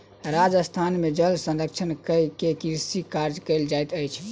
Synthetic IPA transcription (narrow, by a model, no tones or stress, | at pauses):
ɾad͡ʒəst̪ʰanmed͡ʒəlsə̃nɾəkt͡ʃʰənkəjkekiɾsikaɾd͡ʒkəld͡ʒajt̪əjt͡ʃʰ